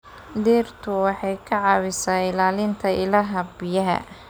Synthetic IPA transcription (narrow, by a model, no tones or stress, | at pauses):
d̪iːrt̪ʰʊwɑħɑjkʰɐʕɑβɪsaːɪlaːlɪnt̪ʰɐʔɪlaːɦɐbɪjɐɦɐ̰